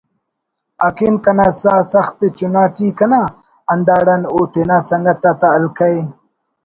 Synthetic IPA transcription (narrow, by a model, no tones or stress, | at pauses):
akinkɐnasaːsɐxt̪et͡ʃunaːʈikɐna | ɐnd̪aːɽanoːt̪enasɐŋɡat̪at̪aːlkaj